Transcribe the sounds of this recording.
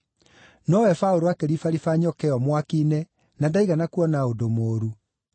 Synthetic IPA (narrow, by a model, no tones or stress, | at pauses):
nɔwɛfaoɾoakeɾifaɾifaɲɔkɛɔmwakinɛ | nadaiɣanakuɔnaodomoːɾu